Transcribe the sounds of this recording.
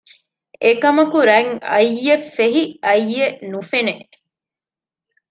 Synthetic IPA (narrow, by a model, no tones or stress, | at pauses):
ekɐmɐkuɾɐŋɐ̰jːefeɦiɐjːeʔnufene